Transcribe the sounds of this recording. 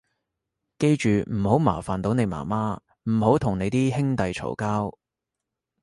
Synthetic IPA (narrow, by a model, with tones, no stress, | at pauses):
ke˧jt͡ʃyː˨m̩˨˩ho˨˥wma̰ː˨˩faː˨˩nt̪o˨˥wne˨˧jma̰ː˨˩maː˥ | m̩˨˩ho˨˥wt̪ʰʊ˨˩ŋne˨˧jt̪iː˥hɪ˥ŋt̪ɐ˨jt͡ʃʰo̰˨˩wkaː˥w